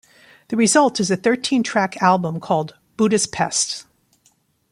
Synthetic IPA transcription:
ðɨɹɨzʌlˠtɨzɨθɜ˞tʰĩntʰɹ̥ækʰælˠbə̃mkʰɔlˠd | b̥uɾɨspʰɛ̰st

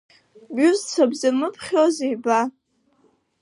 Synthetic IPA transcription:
buzt͡sʰabzamɨpʰχʲozejba

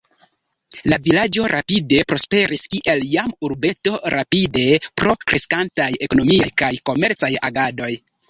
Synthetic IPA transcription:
lavilad͡ʒo̞ɾʔapide̞pɾo̞spe̞ɾiskiʔe̞ljamuɾbe̞to̞ɾʔapide̞pɾo̞kɾʔe̞skantaje̞ko̞no̞miajkajko̞me̞ɾt͡sajaɡado̞j

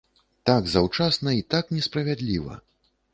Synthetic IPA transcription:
t̪aɡzawt͡ʂasnɐit̪aknʲɛspɾɐvʲad̪lʲivɐ̰

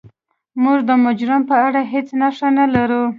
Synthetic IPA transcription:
muʐd̪əmʊd͡ʒɾampəaɽaɦet͡snaʂanalaɾu

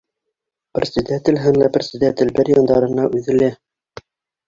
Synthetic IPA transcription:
p̆rʲsɘd̪æt̪ɘ̆lɦænlæprʲsɘ̆d̪æt̪ɘlbɘɾjɑnd̪ɑɾɤ̆nɑʔʉðɘ̆læ

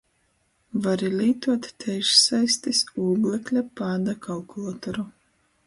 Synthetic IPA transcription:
vaɾilʲiːt̪uɔt̪ːɛjʃsajst̪isuːɡlʲˠɛklʲapaːd̪akʰalˠkulˠat̪ɔɾu

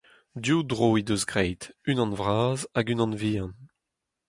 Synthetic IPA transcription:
djudʁoːid̪øzɡʁɛjtynɑ̃nvʁaːzaɡynɑ̃nviːɑ̃n

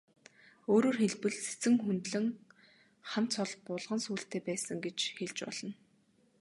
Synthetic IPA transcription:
oːɾoːrxeɮpɘ̆ɮse̥t͡sɘ̆ŋxunt̪ɮɘ̆ŋ | χam̥t͡sʰɔɮpʊɮʁə̆nsuːɬt̪eːpæːsə̆ŋɡet͡ɕxeɮt͡ɕpɔ̰ɮɞ̆n

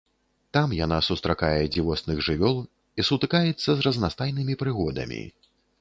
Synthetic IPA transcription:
t̪amjanasust̪ɾakajɛd͡zʲivɔsnɨɣʐɨvʲɔlˠ | isut̪ɨkajɛt̪sːɐzrɐznast̪ajnɨmʲipɾɨɣɔd̪ɐ̰mʲḭ

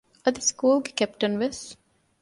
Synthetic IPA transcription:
əd̪iskuːlɡkɛp̚ʈə̃nʋɪs

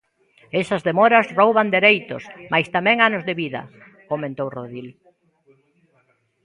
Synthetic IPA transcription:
esɐzðemɔɾɐzrowβand̪eɾejt̪o̰smajst̪amɛ̃ŋanozðeβiðɐ̰ | komẽnt̪owroðil

